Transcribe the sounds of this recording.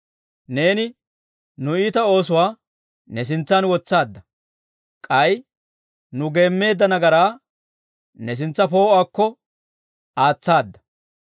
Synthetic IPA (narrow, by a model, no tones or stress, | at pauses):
ne̞ːnɪ | nʊiːt̪ɐo̞ːs̬ʊwaː | nɛs̬ɪnt͡sːɐnwɔt͡sːaːd̪ːɐ | kʼɐj | nʊɡe̞ːmːe̞ːd̪ːɐnɐɡɐɾaː | nɛs̬ɪnt͡sːɐpo̞ːaːkːɔ | aːt͡sːaːd̪ːɐ̥